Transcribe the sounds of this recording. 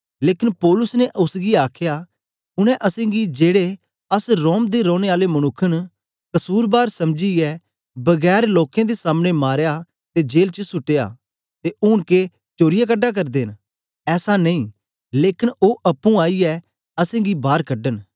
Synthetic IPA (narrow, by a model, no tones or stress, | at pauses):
leːkɪnpɔːlʊsneʔʊsɡiaːkʰjaː | ʊñɛ̃ʔɐsẽːɡid͡ʒeːɽe | ɐsɾoːmd̪eɾɔ̃ːɽ̃eaːlemɐnʊkʰːən | kɐsuːɾbaːɾsɐmd͡ʒiɛ | bɐɡɛːɾloːkjãːd̪esaːmɽ̃emaːɾja | t̪ed͡ʒeːlt͡ʃəsʊʈːeja̰ː | t̪eʔʊɳke | t͡ʃoːɾɪjak̬əɖːaːk̬ɐɾd̪eːn | ɛːsanɐĩː | leːkɪnoːʔɐpːũːaːiɛ | ɐsẽːɡibaːɾkəɖən